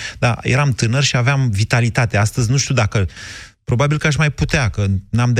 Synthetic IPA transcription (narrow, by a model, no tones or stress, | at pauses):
d̪ajʔeɾamt̪ɨnərʲʃiaveamvit̪alit̪at̪e̞ast̪əzʲnuʃt̪ʲiud̪akəpɾo̞babilkəaʃmajput̪eakənamd̪